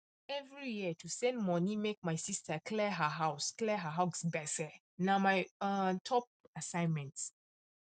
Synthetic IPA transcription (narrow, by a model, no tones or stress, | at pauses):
ɛvɹijiətʰusɛ̃ndmɔnĩmek̚maɪsistəklɛɦəɦaʊsklɛɦəɦaʊsbɛtɛ | namaɪatʰɔp̚asãɪ̃nmɛ̃nt